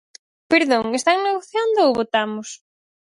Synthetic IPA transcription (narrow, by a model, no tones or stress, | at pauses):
peɾðoŋest̪aŋneɣ̞oθjand̪ooβot̪amʊs